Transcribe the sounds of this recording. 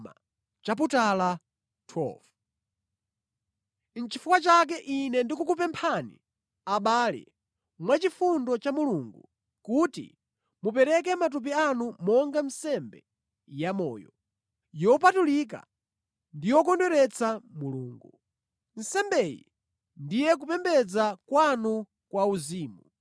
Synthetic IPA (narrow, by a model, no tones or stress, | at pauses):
ma̰ | t͡ʃap̬utala | tʰwɛ̰f | n̩t͡ʃʰifukwat͡ʃak̬ɛʔinɛndik̬ukup̬ɛmpʰanḭ | aɓaːlɛ̰ | mwat͡ʃifundɔt͡ʃamuluŋɡu | kutḭ | mupɛɾɛk̬ɛmat̬up̬ianumɔŋɡam̩sɛmbɛ̰ | jamɔ̰ːjɔ | jɔp̬atulik̬a̰ | ndijɔkɔndwɛɾɛt͡samuluːŋɡu | n̩sɛmbɛjḭ | ndijɛk̬upɛmbɛd͡zakwanu | kwauziːmu